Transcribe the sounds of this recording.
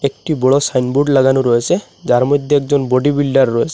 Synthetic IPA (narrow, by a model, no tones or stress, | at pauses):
ekʈibɔɭɔsajnbuɖlaɡanuɾɔesʰe | d͡ʒaɾmɔjd̪ʱːeekd͡ʒɔnbɔɖibilɖaɾːɔesʰe̥